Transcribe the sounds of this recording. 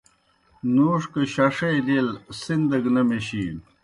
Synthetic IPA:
nuːʂkeɕɐʂɐjd̪elsind̪ɐɡnɐmeɕiːn

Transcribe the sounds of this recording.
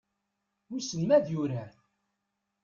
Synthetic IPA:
wisəmːæðjʊɾa

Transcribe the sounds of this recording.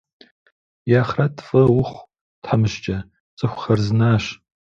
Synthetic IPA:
jaːχrɐtʰfʼɨwʊχʷ | tħamɨʃt͡ʃʼɐ | t͡sʼɨxʷxɐrzɨnaːɕ

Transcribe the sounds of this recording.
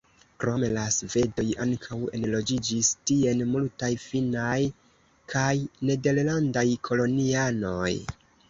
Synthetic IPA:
kɾo̞me̞lasve̞do̞jaŋkʰawe̞̰nlo̞d͡ʒid͡ʒistie̞nmultajfinaj | kʰajne̞de̞ɾlandajkʰo̞lo̞niano̞j

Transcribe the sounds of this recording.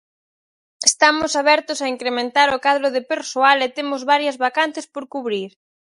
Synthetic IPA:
est̪amʊsaβɛɾt̪ʊsaiŋkɾemẽnt̪aɾʊkaðɾʊðɪpeɾsoalet̪emʊzβaɾjɐzβakan̟θɪspoɾkuβɾiɾ

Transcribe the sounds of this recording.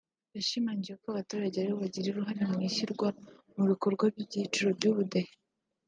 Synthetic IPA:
βaʃimaɲɟijekoaβatuɾaɟeaɾeβaɟiɾiɾuɦaɾimŋiʃiɾɡwa | muβiko̞ɾɡwaβjibɟit͡ʃuɾobɟuβudahe

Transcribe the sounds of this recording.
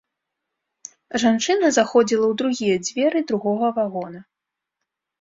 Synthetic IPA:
ʐant͡ʂɨnɐzaxɔd͡zʲilˠɐwd̪ɾuɣʲijɛd͡zʲvʲɛɾɨd̪ɾuɣɔɣɐvaɣɔnɐ

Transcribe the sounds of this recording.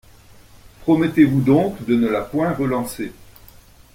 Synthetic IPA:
pχɔmɛt̪evud̪ɔ̃kd̪ənəlapwɛ̃ʁəlɑ̃se

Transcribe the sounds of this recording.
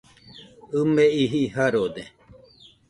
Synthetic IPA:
ɨmeiɦiɦaɾod̪e

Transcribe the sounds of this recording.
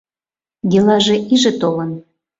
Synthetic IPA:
delɑʒeʔiʒĕt̪olə̆n

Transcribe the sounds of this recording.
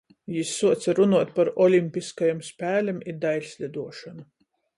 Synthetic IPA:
jisːuɔt̪saɾunuɔt̪paɾɔlʲimʲpʲiskajamspʲæːlʲimid̪ajlʲsʲlʲid̪uɔʃanu

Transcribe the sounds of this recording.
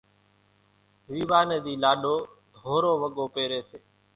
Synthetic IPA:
ʋiːʋaːneːd̪iːlaːɗoː | d̪ʱoːɾoːʋəɠoːpeːɾeːseː

